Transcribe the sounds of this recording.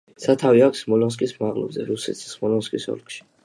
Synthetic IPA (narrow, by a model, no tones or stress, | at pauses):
sat̪ʰaviakʰʷsmɔlɔns̬kʼismaʁʼlɔ̰bzɛɾusɛ̰t̪ssmɔlɔnskʼisɔ̰lkʼʃi̥